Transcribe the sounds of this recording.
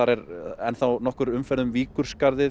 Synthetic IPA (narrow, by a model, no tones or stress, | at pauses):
aɾɛɾɛnθawnɔhkʏɾʏmfɛɾðʏmviːkʏɾ̥skaɾðɪ